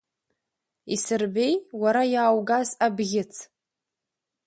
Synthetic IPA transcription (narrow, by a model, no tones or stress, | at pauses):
isɨrbe̞jwaɾajaːwɡazabɣʲɪt͡sʰ